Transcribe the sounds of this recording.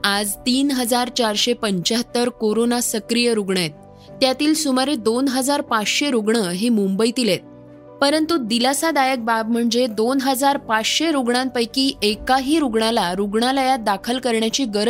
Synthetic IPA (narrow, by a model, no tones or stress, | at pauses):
ad͡zt̪iːnɦəd͡zaɾt͡ɕaɾɕepəɲt͡ɕaɦət̪ːəɾkoɾonasəkɾijəɾuɡɳet̪̚ː | jat̪iːlsumaɾed̪onɦəd͡zaɾpat͡sɕeɾuɡɳəɦemumbəjt̪ilet̪̚ | pəɾənt̪ud̪ilasad̪ajək̚bab̚m̤əɳd͡zed̪onɦəd͡zaɾpat͡sɕeɾuɡɳãnpəjkiːʔekaɦiːɾuɡɳalaɾuɡɳalajad̪akʰəlkəɾɳjat͡ɕiːɡəɾə